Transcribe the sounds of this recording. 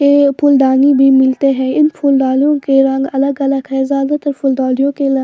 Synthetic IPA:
eːpʰʊld̪aːnibʱiːmɪlt̪eɦɛ̃ːɪnpʰʊld̪aːljõkeɾɐ̃ŋɡɐləɡələɡɦɛzjaːd̪at̪əɾpʰʊld̪aːlijõkel

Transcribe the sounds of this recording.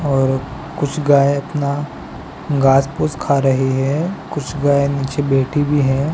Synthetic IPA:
ɔːɾ | kʊt͡ʃʰɡaːeɐpna | ɡaːsposkʰaɾɐɦiɦɛːkʊt͡ʃʰɡaːeniːt͡ʃebeːʈʰibʱiɦɛ̃ː

